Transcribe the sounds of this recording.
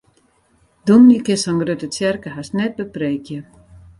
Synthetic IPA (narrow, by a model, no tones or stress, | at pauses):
dunnikɪsɔnɡrøtət͡sjɛrkəɦasnɛt̚bəpreːkjə